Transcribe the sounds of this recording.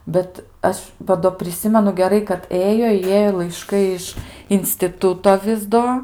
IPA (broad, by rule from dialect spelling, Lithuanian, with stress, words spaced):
ˈbʲɛt ˈɐʃ ʋɐ ˈdoː pʲrʲɪˈsʲɪmʲɛnʊ ɡʲɛˈrɐɪ kɐt ˈeːjoː ɪ ˈjeːjoː lˠɐɪˈʃkɐɪ ɪʃ ɪnʲsʲtʲɪˈtʊtoː ˈʋʲɪs doː